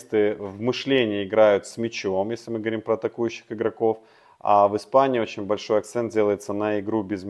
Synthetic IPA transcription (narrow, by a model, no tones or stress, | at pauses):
st̪ɨvmɨʂlʲenʲɪːɪɡɾajʊt̪smʲɪt͡ɕomjesʲlʲɪmɨɡəvɐɾʲimpɾəːt̪ɐkujʉɕːɪ̥xɨɡɾɐko̞f | a̰vɨspanʲɪːot͡ɕɪnʲbɐlʲʂo̞jɐk̚t̪sɛnt̪̚dʲe̞lˠəjɪt̪sənəɪɡɾubʲɪzmʲ